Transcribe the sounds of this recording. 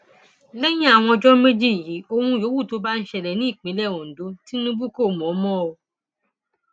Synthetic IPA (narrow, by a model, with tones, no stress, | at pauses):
le˦j̃ɛ̃˦a˨w̃ɔ̃˧d͡ʒɔ˦me˦d͡ʒi˦˨ji˨˦o˦hũ˧jo˨˦wu˦˨to˧ba˦n̩˦ʃɛ˧lɛ˨nĩ˦i˦˨k͡pĩ˨˦lɛ˦˨wo˨n̩˨do˨˦ti˦nũ˦bu˦ko˦˨m˨ɔ̃˨˦mɔ̃˦o˧